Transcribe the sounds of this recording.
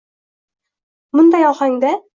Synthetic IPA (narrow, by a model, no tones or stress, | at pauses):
mʊnd̪ɑjɒχɑŋd̪æ